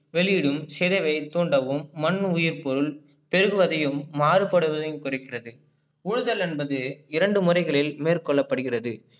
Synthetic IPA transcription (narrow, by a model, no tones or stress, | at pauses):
ʋɛɭɪjɽɯmsɛðɐʋɐɪt̪oːɳɖɐʋɯmːɐnːʊjɪɾpɔɾɯɭ | pɛɾɯɣɯʋɐðɐjɯmːaːɾɯpɐɽɯʋɐðɐjmkʊrɪkːɪrɐðɯ | ʊɻɯðɐlɛnbɐðɯɪɾɐɳɖɯmʊrɐɪɣɐɭɪlmeːrkɔɭːɐpːɐɽɯɣɪrɐðɯ